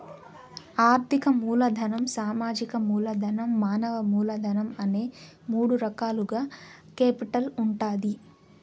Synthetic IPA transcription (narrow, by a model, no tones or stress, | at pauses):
aːɾt̪ʰikɐmuːlɐd̪ʱɐnɐmsaːmaːd͡ʒikɐmuːlɐd̪ʱɐnɐmːaːnɐʋɐmuːlɐd̪ʱɐnɐmɐneː | muːɽuɾɐkaːluɡaː | keːpiʈɐluɳʈaːd̪i